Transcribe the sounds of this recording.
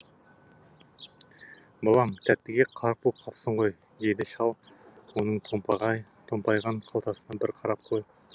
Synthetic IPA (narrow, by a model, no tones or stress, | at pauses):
bɑlˠɑmt̪ʰæt̪ːɪɡʲeqʰɑɾq̚bop̚qʰɑpsəɴʁo̞j | jed̪ɪʃɑlˠ | wo̞nəɴt̪ʰot̪ʰompɑjʁɑɴqʰɑlˠt̪ɑsənɑbɪɾqʰɑɾɑp̚qʰoj